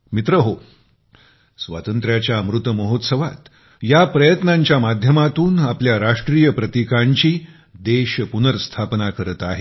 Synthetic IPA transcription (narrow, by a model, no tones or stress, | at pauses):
mit̪ɾəɦo | sʋa̰t̪ənt̪ɾjat͡ɕjamɾut̪əməɦot̪səʋa̰t̪ | japɾəjət̪naɲt͡ɕjamad̪ʱjəmat̪uːnapljaɾaʂʈɾijəpɾət̪ikaɲt͡ɕiː | d̪eɕəpunəɾst̪ʰapnakəɾət̪aɦe